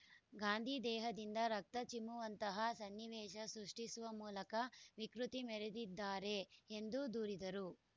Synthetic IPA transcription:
ɡaːnd̪ʱiːd̪ɛːɦɐd̪ind̪ɐɾɐk̚t̪ɐt͡ʃimːuʋɐnt̪ɐɦɐsɐnːiʋɛːʃɐsɾuʂʈisuʋɐmuːlɐkɐʋikɾut̪imɛɾed̪id̪ːaːɾe̞ːnd̪ud̪uːɾid̪ɐɾu

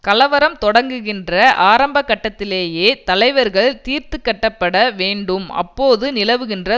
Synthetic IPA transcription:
kɐlɐʋɐɾɐmt̪ɔɽɐŋɡɯɣɪndrɐʔaːɾɐmbɐkːɐʈːɐt̪ːɪleːjeːt̪ɐlɐɪʋɐɾɣɐɭt̪iːɾt̪ɯkːɐʈːɐpːɐɽɐʋeːɳɖɯmɐ̰pːoːðɯnɪlɐʋɯɣɪndrɐ

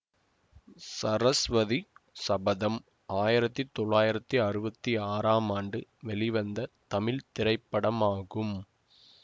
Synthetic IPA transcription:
sɐɾɐsʋɐðisɐbɐðɐm | aːjɪɾɐt̪ːit̪ːɔɭːaːjɪɾɐt̪ːiɐɾɯbɐt̪ːiaːɾaːmaːɳɖɯʋɛlɪʋɐnd̪ɐt̪ɐmɪlt̪ɪɾɐɪpːɐɽɐmaːɣɯm

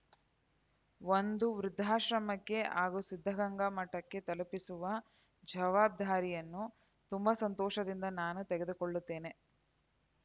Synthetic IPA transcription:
ʋond̪uʋɾud̪ʱːaːʃɾɐmɐkːe̞ʔaːɡusid̪ʱːɐɡɐŋɡɐmɐʈːɐkːe̞t̪ɐlupisuʋɐ | d͡ʒɐʋaːb̚d̪ʱaːɾijɐnːu | t̪umbɐsɐnt̪ɔːʃɐd̪ind̪ɐnaːnut̪eɡe̞d̪ukoɭːut̪ːe̞ːne̞

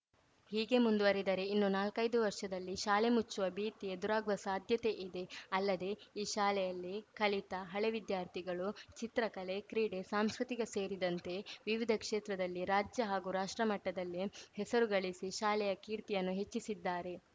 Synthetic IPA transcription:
hiːɡe̞mund̪uʋɐɾid̪ɐɾe̞inːunaːlkɐjd̪uʋɐɾʂɐd̪ɐlːiʃaːle̞mut͡ʃːuʋɐbiːt̪ijed̪uɾaːɡʋɐsaːd̪ʱjɐt̪e̞ʔid̪e̞ɐlːɐd̪e̞iːʃaːlɛjɐlːikɐlit̪ɐɦɐɭeʋid̪jaːɾt̪ʰiɡɐɭut͡ʃit̪ɾɐkɐle̞kɾiːɽe̞saːmskɾit̪iɡese̞ːɾid̪ɐnt̪e̞ʋiʋid̪ʱɐkʂeːt̪ɾɐd̪ɐlːiɾaːd͡ʒjɐɦaːɡuɾaːʂʈɾɐmɐʈːɐd̪ɐlːihɛsɐɾuɡɐɭisiʃaːlɛjɐkiːɾt̪ijɐnːuɦet͡ʃːisid̪ːaːɾe̞

